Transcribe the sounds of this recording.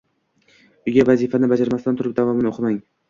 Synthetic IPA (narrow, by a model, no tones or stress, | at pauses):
ʊɡʲavazifanɪbad͡ʒaɾmast̪ant̪ʰʊɾɪp̚d̪avɒmɪnoqʰɨmaŋ